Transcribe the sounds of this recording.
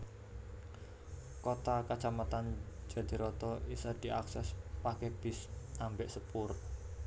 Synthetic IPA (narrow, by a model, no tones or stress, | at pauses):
kot̪akat͡ʃamat̪and͡ʒa̤d̪̥i̤ɾɔt̪ɔʔisad̪̥i̤ʔa̰ksɛspakɛb̥ɪ̤sambɛʔsəpʊr